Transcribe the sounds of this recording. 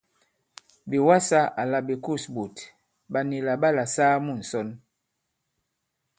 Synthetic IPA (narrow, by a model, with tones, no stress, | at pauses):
bi˨wa˦sa˦ʔa˨la˨bi˨ku˦˨sbu˨t | ba˨ni˨la˨ɓa˦˨la˨saː˦mu˦˨n̩˨sɔ˦n